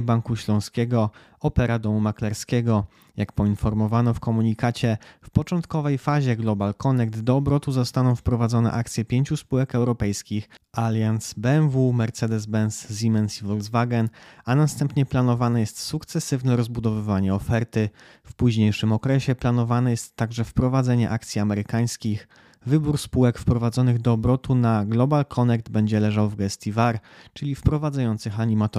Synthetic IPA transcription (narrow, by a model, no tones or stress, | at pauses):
baŋkuɕlɔ̃w̃skʲɛɡɔ | ɔpɛɾad̪ɔmumaklɛɾskʲɛɡɔ | jakpɔinfɔɾmɔvanɔfkɔmuɲikat͡ɕɛfpɔt͡ʂɔnt̪kɔvɛjfaʑɛɡlɔbalkɔnɛk̚t̪d̪ɔːbɾɔt̪uzɔst̪anɔ̃w̃fpɾɔvad̪zɔnɛ̰ʔakt̪sʲjɛpʲjeɲt͡ɕuspuwɛkɛwɾɔpɛjskʲixalʲjansbɛnvumɛɾt̪sɛd̪ɛzbɛnszʲimɛnsivɔld̪zvaɡɛnanast̪ɛmpɲɛplanɔvanɛjɛst̪sukt̪sɛsɘvnɛɾɔzbud̪ɔvɘvaɲɛɔfɛɾt̪ɘ | fpuʑɲejʂɘmɔkɾɛɕɛplanɔvanɛjɛst̪ːaɡʐɛfpɾɔvad̪zɛɲɛ̰ʔakt̪sʲiamɛɾɘkaj̃skʲix | vɘbuɾspuwɛkfpɾɔvad̪zɔnɘɣd̪ɔːbɾɔt̪unaɡlɔbalkʰɔnɛɡ̚d̪bɛɲd͡ʑɛlɛʐawvɡɛst̪ʲivaɾt͡ʂɘlʲifpɾɔvad̪zajɔnt̪sɘxaɲimat̪ɔ